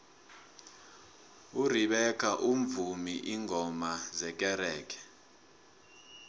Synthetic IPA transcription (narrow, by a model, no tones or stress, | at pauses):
uriɓɛkʰaʔuɱvumiʔiŋʱɔmazɛk̬ʼɛɾɛːkʰɛ̥